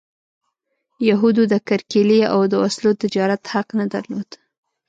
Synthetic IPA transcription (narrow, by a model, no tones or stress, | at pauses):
jaɦud̪ud̪əkaɾkelia̰wd̪əwaslot̪ɪd͡ʒɑɾat̪haqnad̪aɾlod̪̥